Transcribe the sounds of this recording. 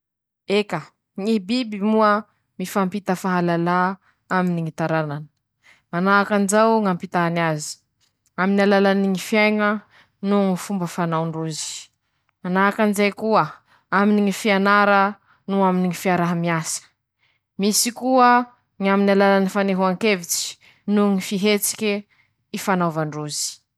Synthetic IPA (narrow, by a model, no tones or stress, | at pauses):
ekə | ŋibibimuə | mifampit̪əfaɦalala | aminiŋit̪aɾananə̥ | manaakanizawŋampit̪aanazi̥ | aminalalaniŋifjajŋə | nuŋifumbəfanawɳɖ͡ʐuzi̥ | manaakanzajkuə | aminiŋifianaɾə | nuaminiŋifiaɾaɦamiasə̥ | misikuə | ŋaminalalanifaneɦuaŋkevit͡si̥ | nuŋifiɦet͡si̥kʲi | ifanawvaɳɖ͡ʐuzi̥